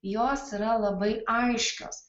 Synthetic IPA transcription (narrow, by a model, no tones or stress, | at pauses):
joːsiɾɐlˠɐbɐɪʔɐɪʃʲkʲo̰ːs